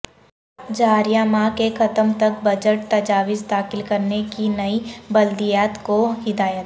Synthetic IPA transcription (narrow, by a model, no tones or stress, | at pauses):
d͡ʒaːɾjamakexɐt̪əmt̪ɐk̚bɐd͡ʒəʈ̚t̪ɐd͡ʒaːʋɪzd̪aːxɪlkɐɾnekinɐibɐld̪ijaːt̪koɦɪd̪aːjət̪